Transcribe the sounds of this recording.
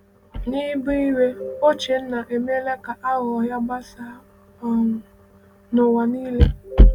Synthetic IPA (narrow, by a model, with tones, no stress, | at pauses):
ni˦bi˦i˦we˦o˦t͡ʃe˨n̩˦na˨ʔe˨m˦e˦le˦ka˨ʔa˦ɣɔ˨ja˦ɡ͡ba˦sa˦ | ɔ˦ŋʷʊ˨ | no˨wa˨niː˦le˦